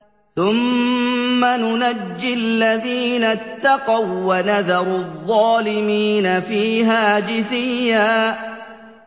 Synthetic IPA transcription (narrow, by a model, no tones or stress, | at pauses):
θʊmː | anʊnad͡ʒːɪlːaðiːnat̪ːɑqɑwːanaðɑɾˤðˤːɑːlɪmiːnafiːɦaːd͡ʒɪθɪjjːaː